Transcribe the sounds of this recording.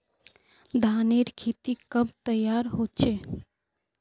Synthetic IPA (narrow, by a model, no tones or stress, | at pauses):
d̪ʱaːneɾkʰet̪ikəb̚t̪əjaɾɦot͡ʃʰe